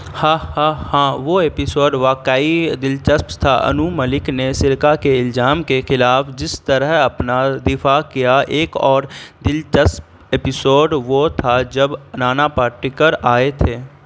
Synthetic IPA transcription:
hãːhãːhãːʋoeːpɪsoːɖʋaːkaːid̪ɪlt͡ʃəspt̪ʰaʔə̰numəlɪknesɪɾkakeɪlzaːmkexɪlaːfd͡ʒɪst̪əɾəɦɐpnad̪ɪfakijaʔeːkɔːɾd̪ɪlt͡ʃəsp | eːpɪsoːɖʋot̪ʰad͡ʒəbnaːnapaːɾʈɪkəɾaːet̪ʰeː

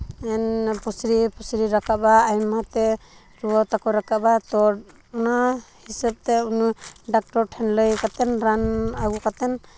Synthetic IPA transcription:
ɛnpɔsɾipɔsɾiɾakaʔbaːjmat̪ɛ | ɾuɔt̪akɔɾakaʔbat̪ɔ | unahisəb̚t̪ɛunuɖak̚ʈɔɾʈʰɛnləjkat̪ɛnɾanaɡukat̪ɛn

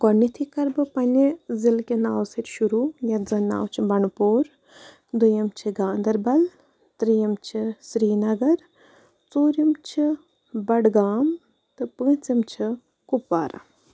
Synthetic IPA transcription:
ɡɔnit̪ʰikɐɾbɨpɐnʲizilkʲinaːwsɐtʲʃuɾujɐd͡zɐna̰ːwt͡ʃʰibɐɳpoːɾ | d̪ujɐmt͡ʃʰiɡãːnd̪ɐɾbɐl | t̪ɾijɐmt͡ʃʰisɾiːnɐɡɐɾ | t͡soːɾimt͡ʃʰi | bɐɖɡaːm | t̪ɨpɨ̃ːt͡simt͡ʃʰi | kupːaːɾa̰

